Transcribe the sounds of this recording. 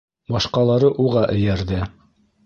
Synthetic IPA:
bɑʃqɑlˠɑɾɤʔuʁɑʔɘ̆jæɾðɘ

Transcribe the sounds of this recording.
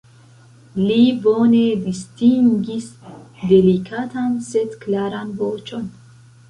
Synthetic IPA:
libonevist̪ʰiŋɡisd̪elikʰat̪ʰanset̪kʰlaɾanboːt͡ʃʼon

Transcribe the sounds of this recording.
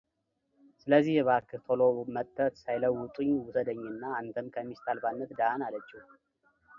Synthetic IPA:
sɨləzːihjɛβaɾkɨt̪ʰolomət̪ʰʼːət̪sajləwːʊt̪ʼɨɲːwʊsəd̪əɲːɨnːaant̪ʰəmkʰəmːist̪ʰalfanːət̪d̪analət͡ʃʼːi

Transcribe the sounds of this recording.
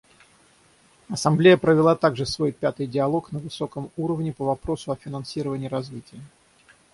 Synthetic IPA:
ɐsɐmblʲejəpɾəvʲɪlˠat̪aɡʐɨsvo̞jpʲat̪ɨjdʲɪɐlˠo̞knəvɨso̞kəmuɾəvnʲɪpəvɐpɾo̞sʊɐfʲɪnɐnsʲiɾəvənʲɪːɾɐzvʲitʲɪjə

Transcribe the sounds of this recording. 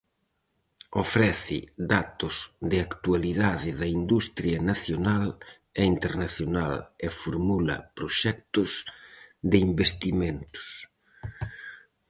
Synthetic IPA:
ofɾɛθɪ̰ðat̪ʊzðɪakt̪ualiðaðɪðɐind̪ust̪ɾjɐnaθjonal | eint̪eɾnaθjonalefoɾmulɐ̰pɾoʃɛk̚t̪ʊsd̪ɪimbest̪imẽnt̪ʊ̥s

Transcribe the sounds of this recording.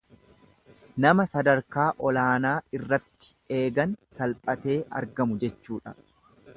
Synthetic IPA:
nɐmɐsɐd̪ɐɾkaːʔɔlaːnaːɪrːɐt̪ːɪ̥ | e̞ːɡɐnsɐlpʼɐt̪e̞ːʔɐ̰ɾɡɐmʊd͡ʒɛt͡ʃːuːᶑɐ

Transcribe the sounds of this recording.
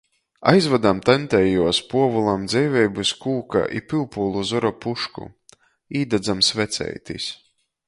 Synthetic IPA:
a̰jzvad̪amt̪ant̪ɛjuɔspuɔvulˠamd̪zɛjvʲɛjbuskuːka̰ʔḭpilˠpulˠuzɔɾɔpuʃkṵ | iːd̪ad̪zamsvɛt̪sɛ̰jt̪is

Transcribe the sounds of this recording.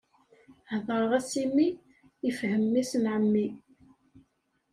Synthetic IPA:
hðˤəɾˤʁæsimi | əfhəmːisnʕəmːi

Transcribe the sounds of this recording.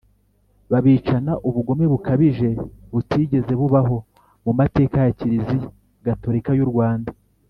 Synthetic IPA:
βaβiːt͡ʃanaʔuβuɡo̞meβukʰaβiʒe̞βutiɟe̞ze̞βuβaɦo̞ | mumate̞ːkajaciɾizi | ɡato̞ɾikajuɾɡwaːnda

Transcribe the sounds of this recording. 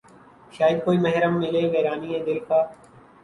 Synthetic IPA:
ʃaːjɪəd̪̚koːiːməɦɾəmːɪleːʋeːɾaːniːẽːd̪eːkʰaː

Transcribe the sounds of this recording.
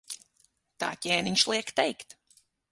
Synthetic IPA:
t̪ɑ̰tjænɪ̃ŋʃlˠiəktʰeɪkt

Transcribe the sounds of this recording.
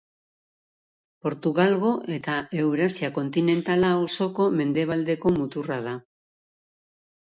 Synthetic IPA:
po̞ɾt̪uɣalɣ̞o̞ʔe̞t̪ae̞wβɾasiako̞nt̪ine̞nt̪alaoso̞ko̞me̞nd̪e̞β̞ald̪e̞ko̞mut̪urað̞a

